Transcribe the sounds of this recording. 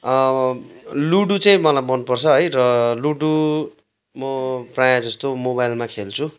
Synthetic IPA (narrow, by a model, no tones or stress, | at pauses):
ʌ | luɽut͡saĩmʌlajmʌnupʌrt͡sʰʌɦʌjrʌluɖu | mʌprajad͡zʌst̪omoβajlmakʰelt͡sʰu